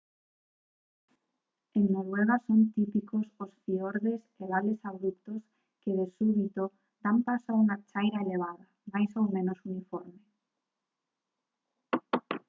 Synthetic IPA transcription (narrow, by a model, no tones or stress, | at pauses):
eŋnoɾweɣ̞asont̪ipikososfioɾðeseβalesaβɾupt̪os | keðesuβit̪o | d̪ampasauŋat͡ʃajɾaeleβ̞aða | majsowmẽnosunifoɾme